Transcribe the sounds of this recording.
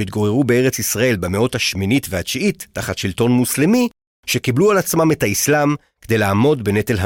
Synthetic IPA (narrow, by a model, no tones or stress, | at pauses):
it̪̚ɡo̞ʁeʁubee̞ʁet͡sisʁae̞lbemeo̞thaʃminitveat͡ʃiitːaχatʃilto̞nmuslemi | ʃe̞kiblualat͡smame̞thaislam | ked̪ejlaːmo̞dbe̞ne̞t̪elɦa